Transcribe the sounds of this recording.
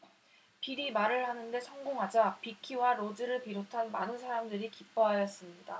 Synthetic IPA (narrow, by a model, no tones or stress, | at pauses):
piɾimaɾɯɭhanɯnde̞sʰʌŋɡoŋɦad͡ʑapikʰiwaɾod͡ʑɯɾɯɭpiɾotʰanmanɯnsʰaɾamdɯɾikip͈ʰʌɦajʌs͈ɯmɲida